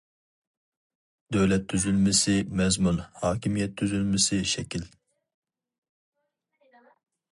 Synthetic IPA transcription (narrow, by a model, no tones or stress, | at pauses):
d̪øwlɛt̪ʰːyzylmɪsɪmɛzmunhɑːkʲʰimijɛt̪ʰːyzylmɪsɪʃɛkʲil